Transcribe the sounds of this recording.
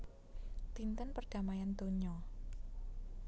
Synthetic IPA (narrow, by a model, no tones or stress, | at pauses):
t̪int̪ənpərɡ̥a̤majant̪oɲɔ